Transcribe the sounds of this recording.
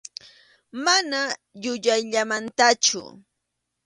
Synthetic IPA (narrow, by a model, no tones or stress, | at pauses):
mana | ʎʊʎajʎamant̪at͡ʃʊ̰